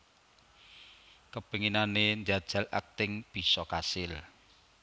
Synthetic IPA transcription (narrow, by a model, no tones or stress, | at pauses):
kəb̥əŋinanend͡ʒad̥ʒ̥a̤la̰k̚t̪ɪŋb̥i̤sɔkasɪl